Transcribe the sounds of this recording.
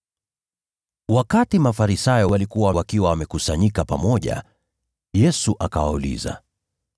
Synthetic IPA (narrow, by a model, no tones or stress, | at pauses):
wakatimafaɾisajɔwalikuwawawakiwawamɛkusaɲikapamɔʄa̰ | jɛsuʔakawaulḭza̰